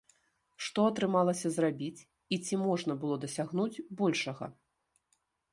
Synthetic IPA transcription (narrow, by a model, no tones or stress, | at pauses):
ʂt̪ɔɐt̪ɾɨmalˠɐsʲɐzrabʲit͡sʲ | it͡sʲimɔʐnɐbɨlˠɔd̪ɐsʲaɣnud͡zʲbɔlʲʂɐɣɐ̰